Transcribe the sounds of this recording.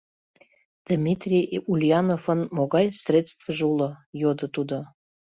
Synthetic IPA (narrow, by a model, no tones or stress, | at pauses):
d̪̥mʲit̪rʲijulʲjɑnofənmoɣɑjsrʲet̪t͡st̪vəʒuləjod̪ə̆t̪ud̪o